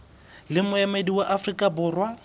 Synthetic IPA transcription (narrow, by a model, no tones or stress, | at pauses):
lɪmʊɛmediwaʔafrikʼabʊːrwa